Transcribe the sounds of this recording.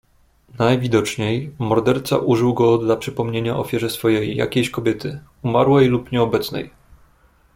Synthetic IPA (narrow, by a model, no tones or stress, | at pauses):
najvʲid̪ɔt͡ʂɲejmɔɾd̪ɛɾt̪sa̰ʔuʐɘwɡɔd̪lapʂɘpɔmɲeɲaʔɔ̰fʲjɛʐɛsfɔjejːa̰kʲeɕkɔbʲjɛt̪ɘ | umaɾwɛjlupɲɛɔbɛt̪snɛ̰j